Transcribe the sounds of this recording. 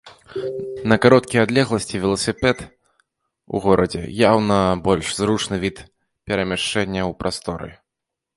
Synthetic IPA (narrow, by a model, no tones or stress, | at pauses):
nɐkaɾɔt̪kʲijad̪lʲɛɣlˠɐsʲt͡sʲivʲɛlˠɐsʲɨpɛt̪ | ṵɣɔɾɐd͡zʲɛ̰jawnɐbɔlʲʂzɾut͡ʂnɨvʲit̪ | pʲɛɾɐmʲaʂt͡ʂɛnʲːɐwpɾʔast̪ɔɾɨ̰